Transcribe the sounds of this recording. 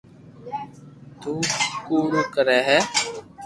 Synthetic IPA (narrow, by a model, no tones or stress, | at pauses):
t̪uːkuːɾuːkəɾɛːɦɛː